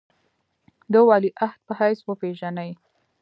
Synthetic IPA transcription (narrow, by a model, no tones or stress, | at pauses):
d̪əwɑliʔaht̪̚pəhajswəpeʒanaj